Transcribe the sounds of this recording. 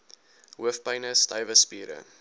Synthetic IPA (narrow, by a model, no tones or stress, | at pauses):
ɦuəfpɐjnəstɐjvəspiːɾə̰